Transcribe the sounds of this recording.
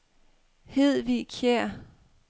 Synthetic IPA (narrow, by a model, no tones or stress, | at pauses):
heð̰ˠʋikʰjɛɐ̰